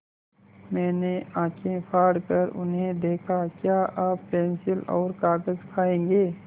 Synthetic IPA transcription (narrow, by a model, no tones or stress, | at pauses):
mɛ̃ːneãːkʰẽpʰaːɽkəɾʊ̰nɦẽd̪eːkʰakjaːʔaːppɛ̃ːnsɪlɔ̰ːɾkaːɡəzkʰaːẽːɡeː